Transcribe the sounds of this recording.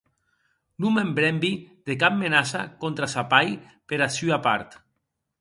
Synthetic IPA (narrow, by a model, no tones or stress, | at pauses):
numembɾɛmbiðekap̚menasa̰kont̪ɾasapaj | peɾasyapaɾt̪